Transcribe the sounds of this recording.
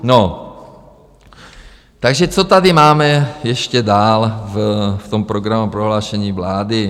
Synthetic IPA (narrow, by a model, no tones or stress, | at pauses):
no | t̪aɡʒɛt͡sot̪ad̪ɪmaːmɛjɛʃcɛd̪aːlvft̪ompɾoɡɾamupɾoɦlaːʃɛɲiːvlaːd̪ɪ